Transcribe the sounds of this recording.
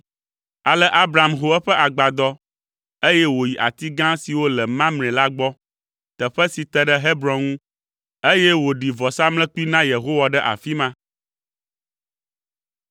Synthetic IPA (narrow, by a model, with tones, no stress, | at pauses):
a˨lɛ˦ʔa˦bɾa˨mɦo˦ɛ˦ɸɛ˦ʔa˨ɡ͡ba˨d̪ɔ˦ | e˦jɛ˦wo˨ji˨ʔa̰˨t̪i˦ɡã˦si˨wo˦lɛ˨mã˦mnɛ̃˨la˦ɡ͡bɔ˦ | t̪ə˨ɸɛ˦si˨t̪ɛ˦ɖɛ˦ɦe˦bɾɔ̃˨ŋũ˦ | e˦jɛ˦wo˨ɖi˨vɔ˨sa˦mlɛ̃˦k͡pu˦i˦nã˦je˨ɦo˦wa˨ɖɛ˦ʔa̰˨fi˦mã˦